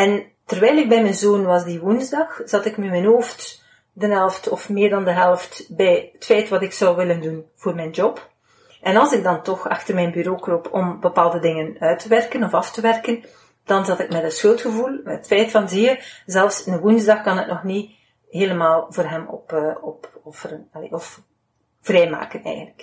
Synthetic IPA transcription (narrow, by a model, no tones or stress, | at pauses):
ɛn | tərʋɛjlɪɡ̚bɛjmɛnzoːnʋɑzdiʋunzdɑxz̥ɑtɪkmɛmɛnɦoːft | dənɦɛlˠftɔfmɪːrdɑndəɦɛlˠftbɛjətfɛjtʋɑtɪksɑwʋɪləndunv̥oːrmɛjnd͡ʒɔp | ʔɛnɑlˠzɪɡ̚dɑntɔxɑ̰xtərmɛjnbyɾoːkropʰɔmbəpaːlˠdədɪŋənœɥtəʋɛrkənɔfɑftəʋɛrkən | d̥ɑnzɑtɪkmɛtətsxɵlˠtxəvulˠmɛətfɛjtfɑnziəzɛlfsɪnəʋunzdɑxkɑnətnɔxni | ɦeːləmaːlˠvoːrɦɛmɔ̰pːɔpɔfərənɑlḛɔf | v̥rɛjma̰ːkənɛ̰jɣə̃ntlək